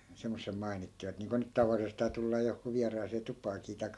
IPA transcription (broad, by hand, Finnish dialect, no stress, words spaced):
semːosːem mɑi̯nitːiʋɑt niːŋko nyt tɑʋɑlːisestɑː tulːɑː johkuː ʋiɑrɑːseː tupɑːkiː tɑi̯kːɑ